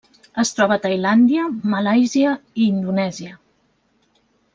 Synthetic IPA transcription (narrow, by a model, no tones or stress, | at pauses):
əst̪ɾɔβət̪əjland̪iəməlajziəiːnd̪unɛziə